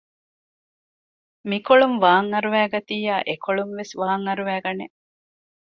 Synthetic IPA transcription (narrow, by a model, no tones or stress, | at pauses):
mikoɭumʋaːŋɐɾuʋæːɡɐt̪iːjaːʔekoɭumʋesʋaːŋɐɾuʋæːɡɐne